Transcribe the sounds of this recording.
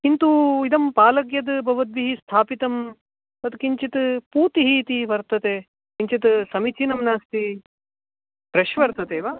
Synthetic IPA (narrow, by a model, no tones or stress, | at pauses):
int̪uid̪ɐmpaːlɐɡjɐd̪bʱɐʋɐd̪ʋiɦist̪ʰaːpit̪ɐm | ɐt̪kiɲt͡ʃit̪ɨpuːt̪iɦiːt̪iʋɐɾt̪ɐt̪eː | iɲt͡ʃit̪ɨsɐmit͡ʃinɐmnaːst̪i | pɾɐʃʋɐɾt̪ɐt̪eːʋaː